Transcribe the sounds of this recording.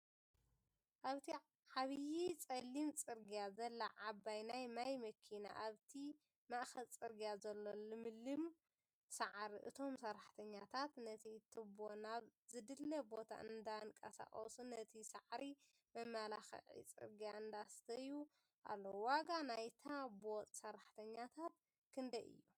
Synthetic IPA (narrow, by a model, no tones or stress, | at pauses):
ʔaβt̪ʰi | ʕaβjit͡sʼɐlːimt͡sʼɨɾɡijazɐlːɐʕabːajnajmajmɐkʰina̰ʔaβt̪ʰi | maʔxɐlt͡sʼɨɾɡijazɐlːolɨmɨlːɨm | saʕɾiʔɨ̰t̪ʰo̞msɐɾaħt̪ʰɐɲːat̪ʰat̪nɐt̪ʰit̪ʰɨbonaβzɨd̪ɨlːɐbo̞t̪ʰa̰ʔɨnd̪ankʼɐ̰sa̰χʼɐ̰sunɐt̪ʰisɐ̰ʕɾi | mɐmːalaxɐ̰ʕḭt͡sʼɨ̰ɾɡijaɨnd̪ast̪ʰɐju | ʔa̰lːowaɡanajt̪ʰabo̞t̪ʼsɐɾaħt̪ʰɐɲːat̪ʰat̪̚ | kʰɨnd̪ɐʔɨ̰jːu